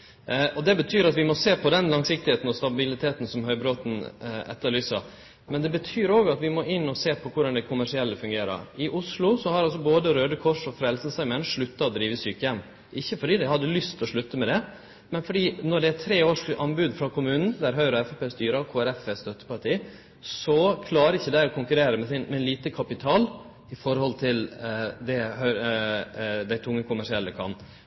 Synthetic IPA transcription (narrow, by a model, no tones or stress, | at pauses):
ʔɔd̪ɛbət̪ʰyːɾɑt̪ʋɪmɔseːpʰɔd̪ɛnlɑŋsɪk̚t̪ɪheːt̪n̩ɔst̪ɑbɪlɪt̪ʰeːt̪n̩sɔmhœʏbɾoːt̪n̩ɛ̰t̪ːəɾɭyːsɑ | mɛnd̪ɛbət̪ʰyːɾoːɡɑt̪ʋɪmoʔɪnːɔseːpʰɔkʰʊɖɑnd̪æɪkʰʊmæʂɪɛlːəfʉŋɡeːɾə̰ɾɪʔʊʂlʊsɔhɑɾɑls̬ɔboːd̪əɾøːd̪əkʰɔʂɔfɾɛlsəsɑɪmɛnʂɭʉt̪ːɑɔd̪ɾiːʋəsyːkəjɛmː | ʔɪçːəfɔɖiːd̪æɪhɑd̪ːəlʏst̪ʰlɔʂɭʉt̪ːəmɛd̪ɛ | mɛnfɔɖiːnɔɖ̪ɛæt̪ʰɾeːoːʂʔɑnbʉd̪fɾɑkʰʊmʉːnn̩d̪æɾɦœʏɾɔɛfæpeːst̪yːɾəkʰoːæɾɛfɛst̪œt̪ːə̥pɑɾʈʰiː | sɔkʰlɑːɾəɪçːəd̪ɛæːɾɔkʰʊŋkʉɾeːɾəmɛsɪnmɛliːt̪əkʰɑpɪt̪ʰɑːl | ɪfɔɾhɔlt̪ʰɪld̪ɛhœ | d̪æɪt̪ʰʊŋːəkʰʊmæʂɪɛlːəkʰɑ̰n